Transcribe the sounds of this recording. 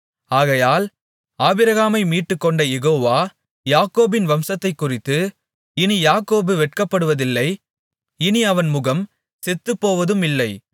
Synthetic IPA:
aːɣɐjaːl | aːbɪɾɐɣaːmɐɪmiːʈːɯkːɔɳɖɐjɛɣoːʋaː | jaːkoːbɪnʋɐmsɐt̪ːɐɪkːʊrɪt̪ːɯ | ɪnijaːkoːbɯʋɛʈkɐpːɐɽɯʋɐðɪlːɐɪ | ɪniɐʋɐnmʊɣɐm | sɛt̪ːɯpːoːʋɐðɯmɪlːɐɪ

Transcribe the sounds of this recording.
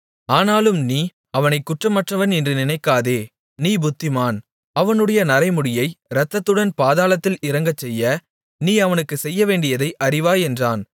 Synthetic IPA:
aːnaːlɯmniː | ɐʋɐnɐɪkːʊʈrɐmɐʈrɐʋɐnɪndrɯnɪnɐɪkːaːðeː | niːbʊt̪ːɪmaːn | ɐʋɐnɯɽɐjɐnɐɾɐɪmɯɽɪjɐɪɾɐt̪ːɐt̪ːɯɽɐnpaːðaːlɐt̪ːɪlɪɾɐŋɡɐt͡ʃːɛjːɐ | niːɐʋɐnɯkːɯsɛjːɐʋeːɳɖɪjɐðɐɪʔɐrɪʋaːjɛndraːn

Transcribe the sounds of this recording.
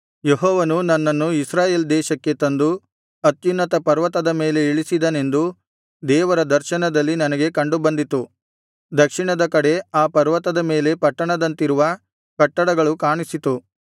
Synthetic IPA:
jeɦɔːʋɐnunɐnːɐnːuisɾaːje̞ːld̪ɛːʃɐkːe̞t̪ɐnd̪u | ɐt̪junːɐt̪ɐpɐɾʋɐt̪ɐd̪ɐme̞ːle̞iɭisid̪ɐne̞nd̪u | d̪ɛːʋɐɾɐd̪ɐɾʃɐɳɐd̪ɐlːinɐnɐɡe̞kɐɳɖubɐnd̪it̪u | d̪ɐkʂiɳɐd̪ɐkɐɽe̞aːpɐɾʋɐt̪ɐd̪ɐme̞ːle̞pɐʈːɐɳɐd̪ɐnt̪iɾuʋɐ | kɐʈːɐɽɐɡɐɭukaːɳisit̪u

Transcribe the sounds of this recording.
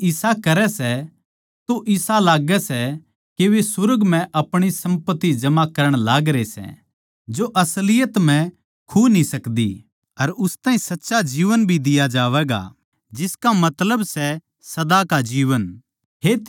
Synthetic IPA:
ɪsakɐɾɛsɛ | t̪oʔɪsalaːɡɛsɛ | keʋesʊɾɡm̤ɛ̃ʔɐpɽ̃isɐ̃mpət̪ːid͡ʒɐmakɐɾəɽ̃laːɡɾesɛ̰ | d͡ʒoʔɐslɪjət̪m̤ɛ̃ | kʰuːnĩsɐkd̪ḭ | ɐɾʊst̪ãːɦĩsɐtːʃad͡ʒiːʋənbʱid̪ɪjad͡ʒaːʋɛːɡa̰ | d͡ʒɪskamɐt̪ləbsɛ | sɐd̪akad͡ʒiːʋən | ɦet̪

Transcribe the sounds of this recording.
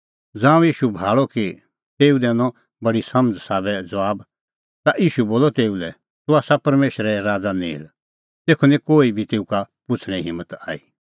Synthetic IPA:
d͡zãːũjiːʃubʱaːɭɔki | t̪eːud̪ɛːnɔ̃ | bɐɽisɐməd͡zsaːbɛd͡zɐʋaːb | t̪aʔiːʃuboːlɔt̪eːulɛ | t̪ʊaːsapɐɾmeːʃɾɛɾaːd͡zanĩɪ̰l | t̪eːkʰunɛ̃koːibʱit̪eːuka | pʊt͡sʰɽ̃ɛ̃ɦɪ̃mːət̪aːi

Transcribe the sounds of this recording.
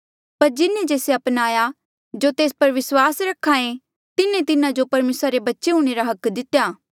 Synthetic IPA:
pɐɾd͡ʒɪnẽd͡ʒeːseɐpnaːja | d͡ʒot̪eːspɐɾʋɪswaːsɾɐkʰːãẽ | t̪ɪnẽt̪ɪnãd͡ʒopɐɾmeːsɾaɾebɐtːʃeɦũːɽ̃eɾaɦɐkd̪ɪt̪ːjaː

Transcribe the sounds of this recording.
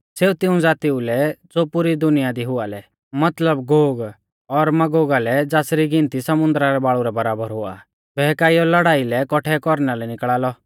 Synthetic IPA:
seːut̪ɪũd͡zaːt̪iulɛd͡zoːpʊɾid̪ʊnɪjad̪iɦʊalɛ | mɐt̪ləbɡoːɡ | ɔɾmɐɡoːɡalɛd͡zaːsɾiɡɪ̃nt̪isɐmʊ̃nd̪ɾaɾɛbaːɭuɾɛbɐɾaːbəɾɦʊa̰ | bʱɛːkaːiɔlɐɽaːilɛkɔʈʰɛkɔɾnalɛnɪkɭaːlɔ

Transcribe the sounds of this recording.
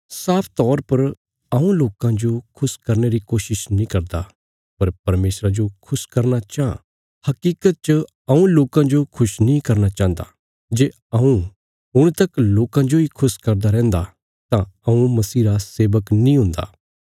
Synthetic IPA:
saːpʰt̪ɔːɾpɐɾ | ɐũloːkãd͡ʒokʰʊskɐɾneɾikoːʃɪʃnĩkɐɾd̪a | pɐɾpɐɾmeːsɾad͡ʒokʰʊskɐɾnat͡ʃã | hɐkiːkət̪̚t͡ʃə | ɐũloːkãd͡ʒokʰʊʃnĩkɐɾnat͡ʃãːnd̪a̰ | d͡ʒeː | ɐũ | ʊɽ̃t̪ɐkloːkãd͡ʒoikʰʊskɐɾd̪aɾɛ̃ːnd̪a | t̪ãɐũmɐsiːɾaseːʋəknĩɦʊ̃ːnd̪a̰ː

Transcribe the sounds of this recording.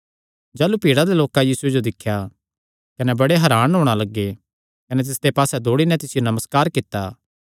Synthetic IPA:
d͡ʒaːlupiːɽad̪eloːkajiːsued͡ʒod̪ɪkʰːja | kɐnɛbɐɽeɦɐɾaːnɦoːɽ̃alɐɡːe | kɐnɛt̪̬ɪsd̪epaːsɛd̪ʱoːɽinɛ̃t̪ɪsɪjonɐməskaːɾkɪt̪ːaː

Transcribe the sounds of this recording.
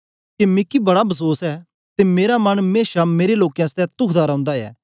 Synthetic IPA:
kemɪkibɐɽabʱɐs̬oːsɛː | t̪emeːɾamɐnmeːʃameːɾeloːkejãst̪ɛt̪ʊkʰd̪aɾɐ̃ʊ̃nd̪aɛ̰ː

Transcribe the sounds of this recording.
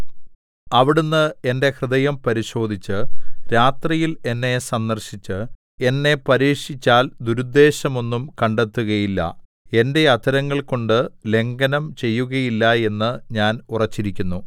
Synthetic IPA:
ɐʋiɽunːɨe̞nde̞krɨd̪ɐjɐmpɐɾiɕo̞ːd̪ʱit͡ɕːɨɾaːt̪rijile̞nːe̞sɐnd̪ɐrɕit͡ɕːɨ | e̞nːe̞pɐɾiːʂit͡ɕːaːld̪uɾud̪ːe̞ːɕɐmo̞nːumkɐɳɖe̞t̪ːuɣɐjilːɐ̰ | e̞nde̞ɐt̪ʰɐɾɐŋːɐɭko̞ɳɖɨle̞ŋɡɐnɐmt͡ɕe̞jːuɣɐjilːɐe̞nːɨɲaːnurɐt͡ɕːiɾikʲːunːu

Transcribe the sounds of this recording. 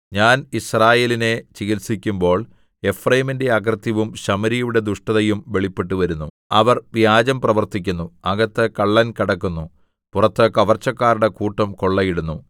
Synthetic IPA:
ɲaːnisraːje̞ːline̞t͡ɕiɣilsikʲːumbo̞ːɭ | e̞frɐjiminde̞ɐk̬rt̪jɐʋumɕɐmɐɾijuɽe̞d̪uʂʈɐðɐjumʋe̞ɭipːe̞ʈːuʋɐɾunːu | ɐʋɐrʋjaːd͡ʑɐmprɐʋɐrt̪ik̬ʲːunːuɐɣɐt̪ːɐkɐɭːɐnkiɽɐkːunːu | purɐt̪ːɐkɐʋɐrt͡ɕːɐkːaːɾuɽe̞kuːʈːɐmko̞ɭːɐjiɽunːu

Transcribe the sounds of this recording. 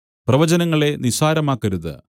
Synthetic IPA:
prɐʋɐd͡ʑɐnɐŋːɐɭe̞nisaːɾɐmaːkːɐɾuðɨ̰

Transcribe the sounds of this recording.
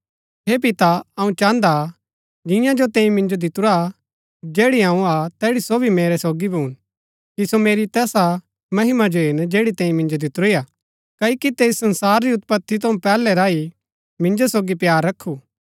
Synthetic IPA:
ɦeːp̬ɪt̪aɐũt͡ʃãːnd̪a | d͡ʒɪ̃jãd͡ʒot̪ẽːĩmɪ̃nd͡ʒod̪ɪt̪ʊɾa | d͡ʒeːɽiɦãũat̪ɛːɽisoːbʱimeːɾɛsoːɡibʱuːn | kisomeːɾit̪ɛːsa | mɐɦɪmad͡ʒoɦɪnd͡ʒeːɽit̪ẽːĩmɪ̃nd͡ʒod̪ɪt̪ʊɾijaː | kɐikit̪eːsɐ̃nsaːɾːiʊt̪̚pət̪ʰːit̪ɐũpɛːlɛɾaːi | mɪ̃ɲd͡ʒosoːɡipjaːɾːɐkʰːuː

